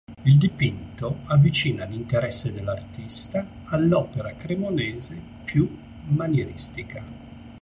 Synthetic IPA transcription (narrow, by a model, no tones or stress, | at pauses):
ild̪ipint̪oavːit͡ʃiːnalint̪eɾɛsːed̪elːart̪ist̪aː | lːɔːpeɾakɾemoneːze | pʰju | manjeɾist̪ika